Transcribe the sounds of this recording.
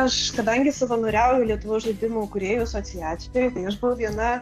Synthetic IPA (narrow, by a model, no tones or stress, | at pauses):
ɐʃkɐd̪ɐŋʲɡʲɪsɐʋɐnoːɾʲæʊjʊlʲiɛt̪ʊʋoːsʒɐd̪ʲɪmokʊɾʲeːjuːsoːt̪sʲɪjæːt̪sʲɪjʲɛjt̪ɐɪɐʃbʊʋɐʋʲiɛnɐ